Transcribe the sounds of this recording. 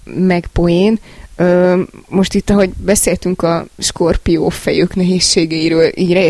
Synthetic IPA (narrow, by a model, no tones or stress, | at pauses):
mɛɡbo̞eːnøːmo̞ʃt̪it̪ːɒɦo̞ɟbɛseːlt̪yŋkɒʃkorpijoːfɛjøːknɛɦeːʃːeːɡɛiɾøːlʔḭːɟrɛɛ